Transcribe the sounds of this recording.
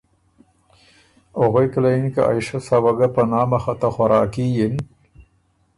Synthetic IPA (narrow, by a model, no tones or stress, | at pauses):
oɣojklankaʔa̰jʃasawaɡapanɑːmaxat̪axaɾɑːkijin